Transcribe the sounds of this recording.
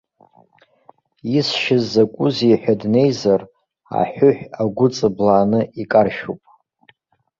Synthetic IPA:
isʃɪzːakʷʼʊziħʷᶣadne̞jzar | a̰ħʷʊħʷᶣaɡʷʊt͡sʼɨblaːnɨikʼarʃupʼ

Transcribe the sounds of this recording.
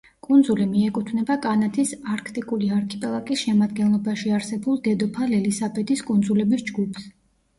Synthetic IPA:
kʼund̪zulimiɛkʼut̪ʰvnɛbakʼanat̪ʰisaɾkʰt̪ʼikʼuliaɾkʰɛpʼɛlˠakʼisʃɛmad̪ɡɛnlˠɔbaʃiaɾsɛbulˠd̪ɛd̪ɔpʰalɛlisabɛd̪iskʼund̪zulɛbisd͡ʒɡupʰs

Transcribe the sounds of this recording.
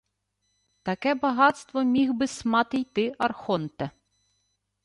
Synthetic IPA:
t̪ɐkɛbɐɦɑt̪st̪ʋɔmʲiɣbɪsmɑt̪ɪjt̪ɪɐrxɔnt̪ɛ

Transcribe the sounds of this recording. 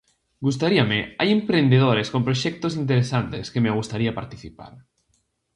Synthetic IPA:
ɡust̪aɾiamea̰jempɾend̪eð̞oɾeskompɾoʃɛk̚t̪osint̪eɾesant̪eskemeaɣ̞ust̪aɾiapaɾt̪iθipa̰ɾ

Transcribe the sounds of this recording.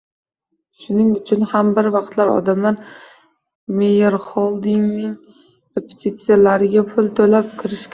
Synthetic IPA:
ʃʊnɪŋʊt͡ʃʰʊnhambɪɾvɑqt̪laɾɒ̰d̪amlaɾ | mejeɾχɒlˠd̪ɪŋnɪŋ | ɾepʰe̥t̪ʰit̪sijalaɾɪɡʲapʰʊlˠt̪ʰɵlap̚kʲʰɪɾɪʃkʲ

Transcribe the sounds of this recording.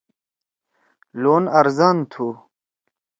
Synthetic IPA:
loːnɐɾzant̪ʰu

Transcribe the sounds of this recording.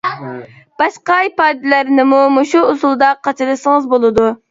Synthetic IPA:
b̥ɑʃqɑipɑːd̪ɨlæɾnɪmumoʃuːsulˠd̪ɑqʰɑt͡ʃʰɪlˠɨsɨŋɨzbolˠɨd̪u

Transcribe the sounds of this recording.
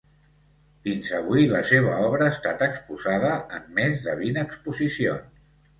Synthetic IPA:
finzəβiləseβ̞əɔβɾəːst̪at̪əkspuzað̞əːmːezðəβinəkspuzisions

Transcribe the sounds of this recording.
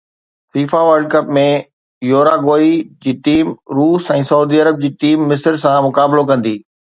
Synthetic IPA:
fiːfaʋəɾɖ̚kɐpmẽ | joːɾaɡoːid͡ʑiːʈiːmɾuːsɛ̃ːsɐuːd̪iɐɾəb̚d͡ʑiːʈiːmːɪsəɾsãmʊkaːbɪlokɐ̃nd̪iː

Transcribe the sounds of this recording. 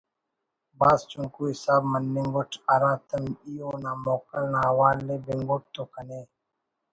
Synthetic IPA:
baːzt͡ʃʊŋkuːɦɪsaːbmənːĩŋɡʊʈʰɐɾãːt̪ɐmijoːnãːmoːkəlnãːɦwaːlːeːbeŋɡoʈ̚t̪oːkɐneː

